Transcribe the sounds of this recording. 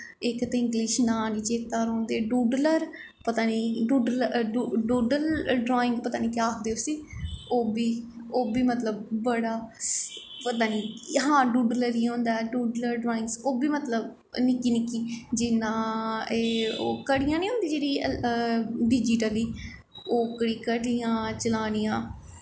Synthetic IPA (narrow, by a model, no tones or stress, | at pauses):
ɪkt̪eɪ̃ŋɡliːʃnaːniːd͡ʒeːt̪aːɾõːnd̪eːɖuːɖləɾ | pət̪aːniːɖuːɖluɖuːɖəlɖɾoːɪ̃ŋɡpət̪aːniːkɪaːkd̪eːosiːoːbiːoːbiːmət̪ləb̚ːəɽaː | pət̪aːniːɦãːɖuːɖləɾiːɦõːnd̪aːɖuːɖləɾɖɾaːɪ̃ŋɡsoːbiːmət̪ləb | nɪkiːnɪkiːd͡ʒɪnãːeːoːkəɽijãːnĩːɦõːnd̪iːd͡ʒeːɽiː | ɖɪːd͡ʒiːʈəliː | oːkəɽiːkəɽijãːt͡ʃəlaːnijãː